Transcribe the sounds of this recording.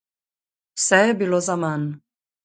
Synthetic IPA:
sɛɛbilɔzaman

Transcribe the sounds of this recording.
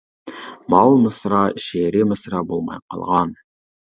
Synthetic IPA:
mɑlˠməsɾɑʃeɾɪməsɾɑbolˠmɑ̰jqʰɑ̰lˠʁɑn

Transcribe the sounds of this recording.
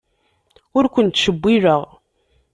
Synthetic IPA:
ʊɾkʷʊnt̪ːʃəbːiɾəʁ

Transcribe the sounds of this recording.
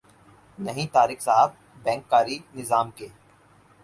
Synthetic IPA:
nɐɦĩt̪aːɾɪksaːf̚ | bɛ̃ːŋkːaːɾinɪzaːmkeː

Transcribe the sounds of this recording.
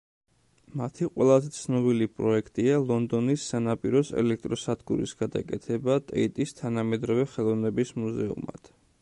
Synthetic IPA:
mat̪ʰiqʼwɛlˠazɛt̪sʰnɔbilipʼɾɔɛkʰt̪ʼialˠɔnd̪ɔnisːanapʼiɾɔsɛ̰lɛk̚ʰt̪ʼɾɔsad̪ɡṵɾḭsɡad̪a̰kʼɛt̪ʰɛbat̪ʼɛit̪ʼist̪ʰanamɛd̪ɾɔvɛχɛlˠɔvnɛbismuzɛṵma̰d̪̥

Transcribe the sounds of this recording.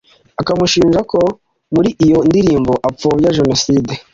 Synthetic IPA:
akamuʃiːnʒako | muɾiʔijo̞ndiɾiːmbo̞ʔap͡foβjaʒe̞nosiːde

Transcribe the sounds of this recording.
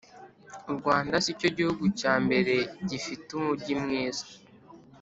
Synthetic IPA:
uɾɡwaːndasico̞ɟihuɡucaːmbe̞ɾe̞ɟifitumuɾɟimŋiːzḁ

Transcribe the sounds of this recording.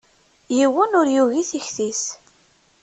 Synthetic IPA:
jiwənʊɾjuʝiθiçθis

